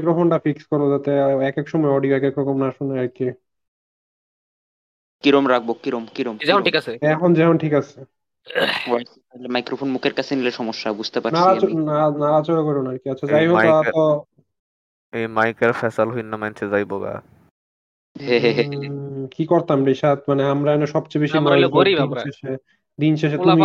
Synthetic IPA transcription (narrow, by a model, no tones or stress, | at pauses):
ajkɾofonʈafikskɔɾod͡ʑat̪eɛkekʃɔmɔeɔɖiɛkekɾɔkomnaʃunaɾke | kiɾomɾak̚ʰbokiɾomkiɾomd͡ʑɛonʈikat͡ɕʰeɛkʰond͡ʑɛkonʈʰikat͡ɕʰe | ɾajs | lemajkɾofʰonmukʰeɾkat͡ɕʰenileɾʃɔmoʃːabud͡ʑʱt̪epaɾnaɾaonanaɾat͡ɕoɾakoɾonaɾkiatːɕʰad͡ʑajɦooao | emajkeɾfɛsalɦinːamant͡ɕʰed͡ʑajboka̰ | ɦeɦeɦekikoɾt̪amɾeʃat̪̚maneamɾaɛnoʃɔbt͡ɕejbeʃimaɾiinʃeʃe | d̪inʃeʃ̬et̪umi